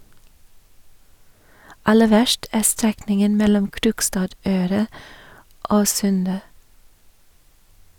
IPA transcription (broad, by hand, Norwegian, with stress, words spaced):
ˈɑlə ˈʋæʃʈ ˈæː ˈstɾɛknɪŋən ˈmɛlɔm ˈkɾʊkstɑːˌdøːɾɑ ˈoː ˈsʉndə